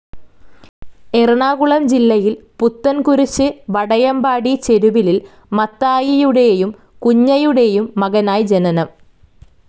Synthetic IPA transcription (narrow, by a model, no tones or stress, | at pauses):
erɐɳaːɣuɭɐmd͡ʑilːɐjilput̪ːɐnkuɾit͡ɕːɨʋɐɽɐjɐmbaːɽit͡ɕe̞ɾuʋilil | mɐt̪ːaːjijuɽe̞jum | kuɲːɐjuɽe̞jumːɐɣɐnaːjd͡ʑenɐnɐm